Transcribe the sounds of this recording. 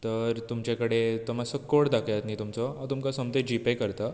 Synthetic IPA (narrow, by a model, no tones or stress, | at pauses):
t̪əɾt̪umt͡ɕakəɽet̪ɔmasəkːoɽd̪akʰjat̪nit̪umt͡sɔɦat̪umkasəmt̪ed͡ʑipekəɾt̪a